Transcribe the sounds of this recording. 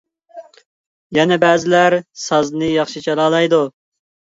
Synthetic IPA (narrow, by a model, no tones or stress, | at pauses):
jɛnɛbæːzɪlæɾsɑznɨjɑχʃit͡ʃʰɛlˠɑːlˠɑjd̪u